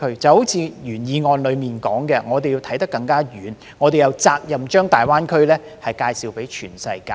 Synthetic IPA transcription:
ɵ˥t͡sɐ˨who˨˥wt͡sʰiː˨˧jyː˨˩njiː˨˧ŋɔː˨nlɵ˨˧ɥmiː˨nkɔː˨˥ŋkɛː˧ŋɔː˨˧t̪e˨ji˧wt̪ʰɐ˨˥jt̪ɐ˥kːɐ˧ŋkaː˥jyː˨˦n | ŋɔː˨˧t̪e˨jɐ˨˧wt͡saː˧k̚jɐ˨mt͡ʃœː˥ŋt̪aː˨˩jwaː˥nkʰɵ˥lɛː˥ | hɐ˨jkaː˧jsiː˨˧wpe˨˥jt͡ʃʰyː˨˩nsɐ˧jkaː˧

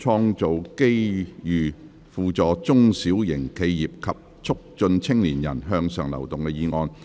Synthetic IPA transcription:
t͡ʃʰɔː˧˥ŋt͡so˨wke˥jjyː˨ | fuː˨t͡sɔː˨˧t͡sʊ˥ŋsiː˨˥wjɪ˨˩ŋkʰe˧jjiː˨p̚kʰɐ˨p̚ | t͡sʰʊ˥k̚t͡ʃɵ˧nt͡sʰɪ˥ŋliː˨˩njɐ̰˨˩nɦœː˧ŋsœː˨ŋlɐ̰˨˩wt̪ʊ˨ŋkɛ˧jiː˨˧ŋɔː˧n

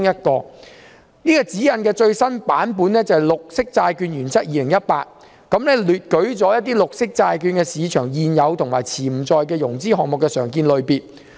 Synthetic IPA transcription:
ŋjɐ˥t̚kɔː˧ | niː˥kɔː˧t͡siː˨˥jɐ˨˧nkɛː˧t͡ʃɵ˧ɥsɐ˥npaː˨˥npuː˨˥nɛ˥t͡sɐ˨jlʊ˨k̚sɪ˥k̚t͡saː˧jkyː˧njyː˨˩nt͡ssʰɐ˥t̚jiː˨˧lɪ˨˩ŋjɐ˥t̚paː˧t̚ | kɐ˨˦mnɛː˥lyː˨t̚kɵ˨˥ɥt͡sɔː˨˥jɐ˥t̪̚iː˥lʊ˨k̚sɪ˥k̚t͡saː˧jkyː˧nkɛː˧siː˨˧t͡ʃʰœː˨˩ŋjiː˨˧njɐ˨˧wt̪ʰʊ˨˩ŋmaː˨˩jt͡sʰiː˨˩m̩˨˩t͡sɔː˨˧jk̬ɛː˧jʊ˨˩ŋt͡siː˥hɔː˨k̚mʊ˨kːɛː˧sœː˨˩ŋkiː˧nlɵ˨˧ɥpiː˨t̚

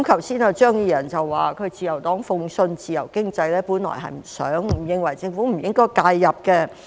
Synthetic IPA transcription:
mkʰɐ˨˩wsiː˥nɛ˧t͡ʃœː˥ŋjiː˧jɐ˨˩nt͡sɐ˨wːaː˨kʰɵ˨˧ɥt͡siː˨jɐ˨˩wt̪ɔː˨˥ŋfʊ˧ŋsɵ˧nt͡siː˨jɐ̰˨˩wkɪ˥ŋt͡sɐ˧jlɛː˥puː˨˥nlɔ̰˨˩jɦɐ̰˨jm̩˨˩sœ̰ː˨˥ŋm̩˨˩jɪ˨˧ŋwɐ˨˩jt͡sɪ˧ŋfuː˨˥m̩˨˩jɪ˥ŋkɔː˥˩jkaː˧jːɐ˨p̚kɛ˧

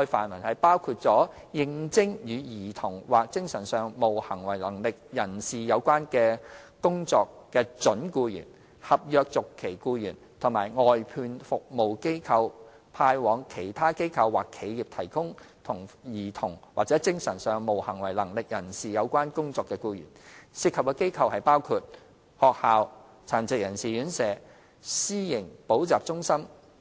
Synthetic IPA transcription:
ɔ˧fa̰ː˨˩nwɐ˨˩nhɐ˨jpaː˥wkʰuː˧t̚t͡sɔː˨˥ | jɪ˧ŋt͡sɪ˥ŋjyː˨˧jiː˨˩t̪ʰʊ˨˩ŋwaː˨˩k̚t͡sɪ˥ŋsɐ˨˩nsœː˨ŋmo˨˩whɐ˨˩ŋwɐ˨˩jlɐ˨˩ŋlɪ˨k̚jɐ˨˩nsiː˨jɐ˨˧wkʷaː˥nkɛː˧kʊ˥ŋt͡sɔː˧kːɛː˧t͡ʃɵ˨˥nkuː˧jy̰ː˨˩n | hɐ˨p̚jœː˨˧k̚t͡sʊ˨kʰːe˨˩jkuː˧jyː˨˩nt̪ʰʊ˨˩ŋmaː˨˩jŋɔː˨jpʰyː˧nfʊ˨k̚mo˨˩wke˥jkʰɐ˧w | pʰaː˧jwɔː˨˧ŋkʰe˨˩jt̪ʰaː˥ke˥jkʰɐ˧wːaː˨˩kʰːe˨˥jjiː˨p̚t̪ʰɐ˨˩jkʊ˥ŋ | t̪ʰʊ˨˩ŋjiː˨˩t̪ʰʊ˨˩ŋwa̰ː˨k̚t͡sɛː˨˥t͡sɪ˥ŋsɐ˨˩nsœː˨ŋmo˨˩whɐ˨˩ŋwɐ˨˩jlɐ˨˩ŋlɪ˨k̚jɐ˨˩nsiː˨jɐ˨˧wkʷwaː˥nkʊ˥ŋt͡sɔː˧kːɛː˧kuː˧jy̰˨˩nsiː˧t̚kʰɐ˨p̚kɛː˧ke˥jkʰɐ˧whɐ˨jpaː˥wkʰuː˧t̚ | hɔː˨k̚haː˨w | t͡sʰaː˨˩nt͡sɪ˨k̚jɐ˨˩nsiː˨jyː˨˧˥nsɛː˨˥ | siː˥jɪ˨˩ŋpo˨˥wt͡saː˨p̚t͡sʊ˥ŋsɐ˥m

